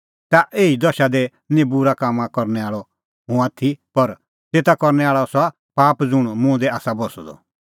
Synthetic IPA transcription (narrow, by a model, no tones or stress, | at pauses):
t̪aʔeːid̪ɔʃad̪ɛ | nɛ̃buɾakaːmãkɔɾnɛaːɭɔ | ɦũaːt̪ʰipɐɾ | t̪eːt̪akɔɾnɛaːɭɔsa | paːpd͡zʊɽ̃mʊ̃ːd̪ɛaːsabɔsɔ̰d̪ɔ̰